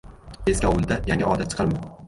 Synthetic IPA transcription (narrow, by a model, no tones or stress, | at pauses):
eskʲaʊlˠd̪ajaŋʲɪɒd̪at͡ʃʰɨ̥qʰɑɾman